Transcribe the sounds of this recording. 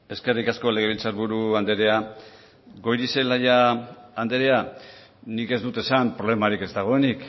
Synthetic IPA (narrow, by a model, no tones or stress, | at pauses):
e̞ske̞rikasko̞le̞ɣ̞eβilt͡saɾβuɾuand̪e̞ɾe̞a | ɡo̞jɾise̞lajaand̪e̞ɾe̞a | nike̞zd̪ut̪e̞sampɾo̞βle̞maɾike̞zd̪aɣ̞o̞e̞nik